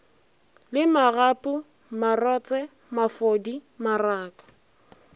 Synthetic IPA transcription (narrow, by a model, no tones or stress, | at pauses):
lɪmarapʼʊ | marɔt͡sʼɛ | mafodimaraːkʼɔ̥